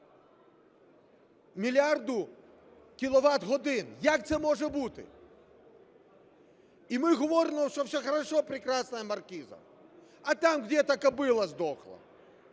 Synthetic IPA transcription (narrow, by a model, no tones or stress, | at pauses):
mʲilʲard̪ʊ | kʲilˠɔʋat̪ɣɔd̪ɪnjakt̪sɛmɔʐɛbut̪ɪ̰ | imɪɣɔʋɔɾɪmɔwʂtɔwsʲɔxɐɾɐʂɔpɾʲɪkɾasnɐjɐmɐrkʲizɐ̰ | ɐt̪amɣdʲɛt̪ɐkɐbɪlˠɐzd̪ɔxlˠɐ̰